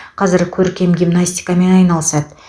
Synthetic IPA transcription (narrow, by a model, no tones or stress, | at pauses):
qʰɑzɪɾkʲʰɵɾkʲe̞mɡʲijmnasʲt̪ʲi̥jkame̞nɑjnɑlˠsɑd̪